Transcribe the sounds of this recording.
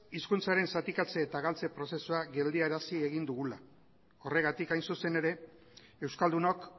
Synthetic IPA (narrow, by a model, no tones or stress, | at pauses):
iskunt͡saɾe̞nsat̪ikat͡se̞ːt̪aɣalt͡se̞pɾo̞se̞suaɣe̞ld̪iaeɾasieɣ̞ind̪uɣ̞ula | o̞re̞ɣat̪ikajnsuse̞ne̞ɾe̞ | ewskald̪uno̞k